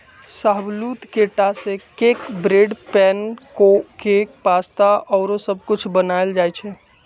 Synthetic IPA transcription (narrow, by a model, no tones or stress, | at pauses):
saɦblut̪keʈasẽkekbɾeɖpɛnkokekpast̪aɔːɾosəbʱkʊt͡ʃʰbənald͡ʒajt͡ʃʰɛ